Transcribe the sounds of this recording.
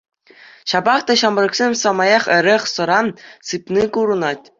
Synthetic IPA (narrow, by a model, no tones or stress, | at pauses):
ɕɑbɑχt̪ɑɕɑmɤ̆rɤ̆ksʲemʲsɑmɑjɑχɘ̆ɾʲeχsɤ̆ɾɑnsɯpnikuɾɤ̆nɑtʲ